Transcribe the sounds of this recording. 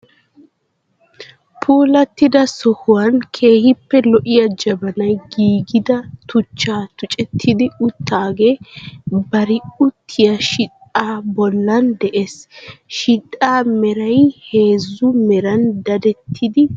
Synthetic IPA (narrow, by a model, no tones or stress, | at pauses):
pʰuːlɐt̪ːɪd̪ɐsɔhʊwɐnkʰe̞ːhɪpːɛlɔʔɪjɐd͡ʒɐbɐnɐjɡiːɡɪd̪ɐt̪ʊt͡ʃːaːt̪ʊt͡ʃʼɛt̪ʰːɪd̪ɪʊt̪ːaːɡe̞ːbɐɾɪʊt̪ʰːɪjɐʃɪt̪ʼaːbɔlːɐnd̪ɛʔesʃɪt̪ʼːaːmɛɾɐjhe̞ːzːʊmɛɾɐnd̪ɐd̪ɛt̪ʰːɪd̪ɪ